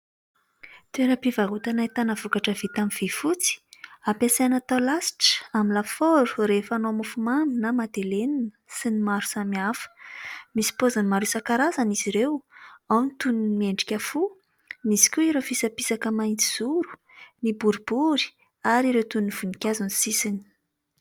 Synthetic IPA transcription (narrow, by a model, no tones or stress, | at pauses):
t̪ueɾəpivaɦut̪anait̪anəvukaʈ͡ʂəv̥it̪amiv̥efut͡si̥apasanat̪alasi̥ʈ͡ʂə̥aminlafoɾu̥refanomufumanunamad̪eleninəsinimaɾu̥samiafə̥misi̥pozanimaɾusakaɾazaniziɾewawnit̪uninmieɳɖ͡ʐikʲafu | misi̥kʲuiɾofisapisakəmaint͡s̪i̥z̥uɾu̥ | nibuɾubuɾi̥ | aɾiɾewt̪uniniv̥unikʲazunisisini̥